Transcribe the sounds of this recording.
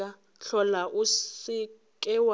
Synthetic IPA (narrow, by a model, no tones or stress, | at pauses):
a | ɬɔlaʔusɪ | kʼɛwa